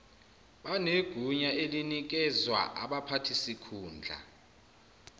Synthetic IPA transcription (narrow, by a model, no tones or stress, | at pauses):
ɓaneɡ̥ʱuɲaelinik̬ɛzwa̰ʔa̰ɓapʰatʰisikʰuːnd͡ɮʱa̰